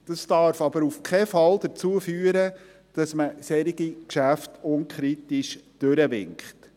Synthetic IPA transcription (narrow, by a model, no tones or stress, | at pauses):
d̥ɑstɑɾfɑbəɾufkʰɛfɑld̥əɾt͡suːəfyːəɾə | d̥ɑsməsɛɾiɡikʃæftʊnkχɾitiʃd̥øɾəʋɪ̰ŋkχt